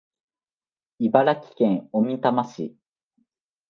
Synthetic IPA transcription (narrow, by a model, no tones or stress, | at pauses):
ibaɾakʲi̥kẽŋomʲit̪amaɕḭ